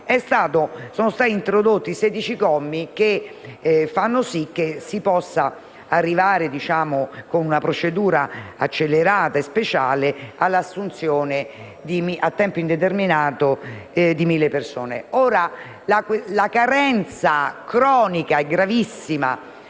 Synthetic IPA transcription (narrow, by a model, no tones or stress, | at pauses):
ɛst̪aːt̪osoːnost̪aːt̪int̪ɾod̪ot̪ːisɛːd̪it͡ʃikɔmːik̟e | fːanːosik̟ːesipɔsːa | arːivaːɾed̪it͡ʃaːmokonunapɾot͡ʃed̪uːɾaa̰t͡ʃːelːeɾaːt̪aespet͡ʃaːlealːasːunt̪sjoːne | d̪imiat̪ːɛmpoind̪et̪̬erminaːt̪od̪imilːepersoːnḛoːɾa | laklakaɾɛnt̪sakɾɔːnikaɛɡɾavisːima̰